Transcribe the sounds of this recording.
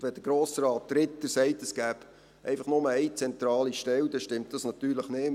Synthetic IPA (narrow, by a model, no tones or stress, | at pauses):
ʋɛd̪əɾɡ̥ɾoːsɾɑːt̚d̪̥ɾɪt̪ːəsɛɪtɛsɡ̥æːb̥ | ʔɛ̰ɪfɑχnʊməɛɪt͡sɛnt̪ɾɑːliʃtɛld̪ɛʃtɪmtd̥ɑsnɑt̪yːɾləχnɪ